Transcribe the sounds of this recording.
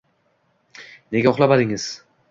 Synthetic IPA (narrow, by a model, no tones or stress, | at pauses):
ne̞ɡʲaχlˠabad̪ɪŋɪz̥